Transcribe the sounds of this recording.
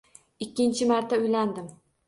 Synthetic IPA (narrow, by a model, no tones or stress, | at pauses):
ɪkʲːɪnt͡ʃʰɪmaɾt̪ʰaʊjland̪ɪm